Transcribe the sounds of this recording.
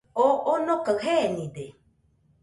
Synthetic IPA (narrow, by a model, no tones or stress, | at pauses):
oonokəɦenĩd̪e